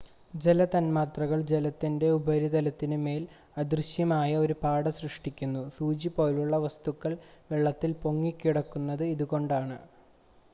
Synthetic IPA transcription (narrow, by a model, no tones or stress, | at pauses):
d͡ʑe̞lɐt̪ɐnmaːt̪rɐɣɐɭd͡ʑe̞lɐt̪ːinde̞ubɐɾid̪ɐlɐt̪ːinɨme̞ːl | ɐd̪rɨɕjɐmaːjɐo̞ɾupaːɽɐsrɨʂʈikʲːunːusuːd͡ʑipo̞ːluɭːɐʋɐst̪ukːɐɭʋeɭːɐt̪ːilpo̞ŋːikʲːiɽɐkːunːɐðɨiðuɣo̞ɳɖaːɳɨ